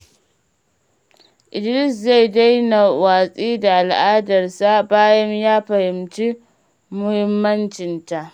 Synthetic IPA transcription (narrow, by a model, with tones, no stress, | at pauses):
ʔɪ˨d͡ʒɪ˦ɾɪ˦s̬za˦˨jda˦jna˨waː˨sʼiː˦da˨ʔa˨lʔaː˦dɐ˨rsa˦baː˦jɐ˦mjaː˦ɸɐ˨hɪ˨mt͡ʃi˦ | mʊ˦hɪ˦mːɐ˦nt͡ʃɪ˨nta˨ʔ